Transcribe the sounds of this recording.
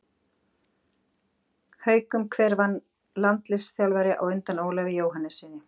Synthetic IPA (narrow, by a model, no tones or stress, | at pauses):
hœːɥkʏmkʰvɛːɾvanː | lant̪lɪsθjawlvajɾɪʔa̰wʏnt̪anoːwlavɪjoːwɦanɛsːɪnːɪ